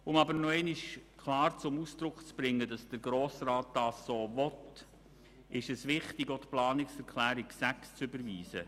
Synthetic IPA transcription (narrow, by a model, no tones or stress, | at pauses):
ʊmɑbəɾnɔɛɪnɪʃkʰlɑːɾt͡sʊmusd̥ɾʊkt͡sb̥ɾɪŋːədɑsd̥əɾɡɾoːsɾɑːt̚d̥ɑːsːoːvɔt | ɪʃəsʋɪχtɪɡotplɑːnɪksɛɾkʰlæːɾiksækst͡sʏbəɾʋiːsə̰